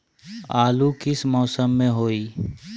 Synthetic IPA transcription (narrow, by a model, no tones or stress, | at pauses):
aːlukɪsmɔːsəmːẽɦoːiː